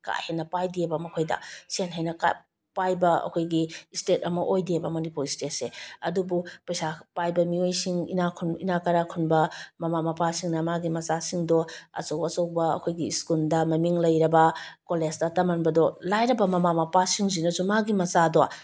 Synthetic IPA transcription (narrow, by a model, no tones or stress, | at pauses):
ka̰henɐpajdiebɐmɐkʰojdɐ̰senɦajnɐka̰ | pajbɐɐ̰kʰojɡistet̚ɐmɐʔojdiebɐmɐnipuɾistet̚seɐdubupɐjsapajbɐmiojsiŋḭnakʰuninakɐɾakʰunbɐmɐmamɐpasiŋnɐmaɡimɐsasiŋdɔɐ̰sowɐsowbɐɐ̰kʰojɡiːskuldɐmɐmiŋlɐjɾɐbɐkolesdɐtɐmɐnbɐdɔlajɾɐbɐmɐmamɐpasiŋzinɐzumaɡimɐsadɔ